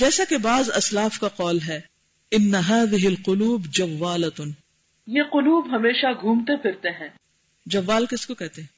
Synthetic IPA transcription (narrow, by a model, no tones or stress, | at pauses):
d͡ʒɛːsakebaːzɐslaːfkaqɔːlɦɛː | ɪnːɐɦaːðɪɦɪlqʊluːbd͡ʒɐʋːaːlɐt̪n | jeːqʊluːbɦɐmeːʃaɡʱũːmt̪epʰɪɾt̪eɦɛ̃ː | d͡ʒɐʋːaːlkɪskokɛɦt̪eɦɛ̃